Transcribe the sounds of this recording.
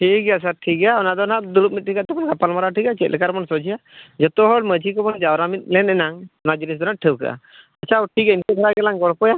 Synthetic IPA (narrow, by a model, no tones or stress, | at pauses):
ʈʰik̚ɡɛjas̬aɾʈʰikaɔnad̪ɔnad̪ulup̚mit̪̚ʈʰikat̪ɛbɔnkapalmɔɾaʈʰikat͡ʃɛt̪̚lɛkaɾmɔnsɔd͡ʒijad͡ʒɔt̪ɔɦɔɽməd͡ʒikɔbɔnd͡ʒawɾamit̪̚ˀlɛnɛnaŋɔnad͡ʒənis̬d̪ɔnaʈʰəwka̰ʔa̰ | at͡ʃʰaɔʈʰikainkɛd̪ʱaɾaɡɛlaŋɡɔɽpɔja